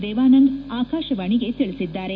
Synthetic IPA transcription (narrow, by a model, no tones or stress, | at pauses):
d̪ɛːʋaːnɐŋɡaːkaːʃɐʋaːɳiɡe̞t̪iɭisid̪ːaːɾe